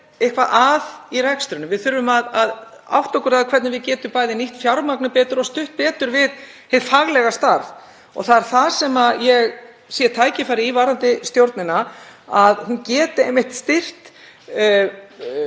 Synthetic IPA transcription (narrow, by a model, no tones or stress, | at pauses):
ehkvaʔaðiɾɛkst̪ɾʏnʏmvɪðθʏɾvʏmaðað | a̰wht̪ɔkʏɾaðkʰvɛɾt̪nɪvɪðcɛːt̪ʏmpaːjðɪniht̪fjawɾmaknʏpɛːt̪ʏɾɔst̪ʏht̪̚pɛːt̪ʏɾvɪð | hɪðfaɣlɛɣast̪aɾð | ɔ̰ɣθaðɛɾ̥θasɛmajɛɣ | sjɛt̪ʰaːjcɪfaːɾɪivaːɾant̪ɪst̪jowɾt̪nɪnaaðhuncɛːt̪ɪejmːɪht̪st̪ɪr̥t̪